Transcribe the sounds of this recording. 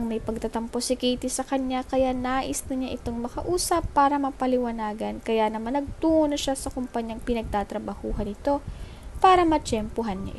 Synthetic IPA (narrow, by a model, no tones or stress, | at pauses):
ŋmɐjpɐɡ̚t̪ɐt̪ɐmposɪkiːt̪ɪsɐkɐɲakɐjanaːʔɪsnɐɲaʔɪt̪o̞ŋmɐkɐʔuːsɐpːaːɾɐmɐpɐlɪwɐnaːɡɐnkɐjanɐmanɐɡ̚t̪uːʔonɐʃasɐkʊmpɐɲjaŋpɪnɐɡ̚t̪aːt̪ɾɐbɐhuːɦɐnɪt̪o̞ | paːɾɐmɐt͡ʃɛmpʊɦanɲa̰ʔɪ